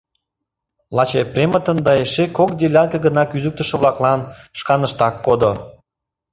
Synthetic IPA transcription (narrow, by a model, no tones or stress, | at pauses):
lɑt͡ɕeprʲemət̪ənd̪ɑeʃekokd̪elʲɑnkəɡənɑkyzyk̚t̪ə̆ʃĕβlɑklɑnʃkɑnəʃt̪ɑkːod̪o